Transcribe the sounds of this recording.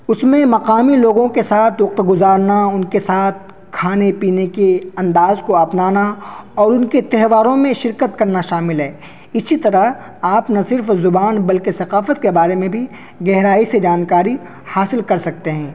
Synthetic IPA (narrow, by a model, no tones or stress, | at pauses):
ʊsmẽmɐqaːmiloːɡõkesaːt̪ʰwɐq̚t̪ɡʊzaːɾnaʊnkesaːt̪̚ʰ | kʰaːnepiːnekeɐ̃nd̪aːzkoɐpnaːnaɔːɾʊnket̪ɛɦʋaːɾõmẽʃɪɾkət̪kɐɾnaʃaːmɪlɦɛː | ɪsit̪ɐɾaɦ | aːpnɐsɪɾfzʊbaːnbɐlkesɐqaːfət̪̚kebaːɾemẽbʱi | ɡɛɦɾaːised͡ʒaːnkaːɾi | haːsɪlkɐɾsɐk̚t̪eɦɛ̃ː